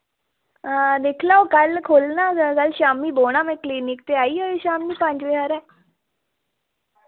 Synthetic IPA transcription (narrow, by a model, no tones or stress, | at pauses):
d̪eːkʰlaːokəlkʰoːlnãːkəlʃaːmiːboːɽ̃aːmɛ̃ːkliːnɪk̚t̪eːaːiːɦoːiːʃaːmiːpə̃ɲd͡ʒʋeɦaːɾɛː